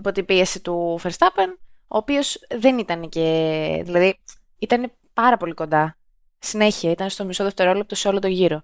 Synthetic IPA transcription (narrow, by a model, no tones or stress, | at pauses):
po̞t̪ibie̞sit̪ufeɾst̪ɐpeno̞ːpio̞sðe̞nit̪ɐnece̞ðilɐði | it̪ɐne̞ | pɐɾɐpo̞liko̞nd̪ɐ | sine̞çiɐit̪ɐnst̪omiso̞ðe̞ft̪e̞ɾoolep̚t̪oseo̞lo̞t̪oʝiɾo̞